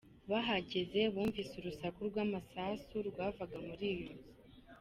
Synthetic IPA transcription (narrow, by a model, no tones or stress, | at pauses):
βaɦaɟeze̞βuːɱvisuɾusakuɾɡwaːmasasuɾɡwaːvaɡamuɾijo